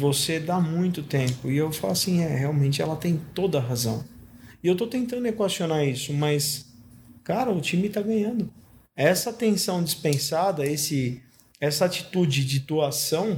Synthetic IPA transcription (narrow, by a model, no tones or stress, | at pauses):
vosed̪amũj̃t̪ʊt̪ẽmpʊɪewfa̰lasĩɛheawmẽnt͡ʃɪɛ̰lɐt̪ẽj̃t̪od̪ɐɦazɐ̰̃w̃ɪewt̪ot̪ẽnt̪ɐ̃nd̪ʊekwasionaisʊmɐs | kaɾɐʊt͡ʃĩmɪt̪aɡɐ̃ɲɐ̃nd̪ʊ | ɛsɐt̪ẽsɐ̃w̃d͡ʒispẽsad̪ɐesɪ | ɛsɐat͡ʃi̥t̪ud͡ʒɪd͡ʒɪd̪oasɐ̃w̃